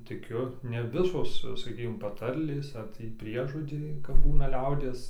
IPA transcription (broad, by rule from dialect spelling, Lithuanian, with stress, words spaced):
tʲɪˈkʲʊ nʲɛ ˈʋʲɪsoːs sɐˈkʲiːkʲɪm pɐˈtɐrʲlʲeːs ɐr ˈtʲiː ˈpʲrʲiɛʒoːd͡ʒʲɛɪ kɐp ˈbuːnɐ ˈlʲɛʊdʲiɛs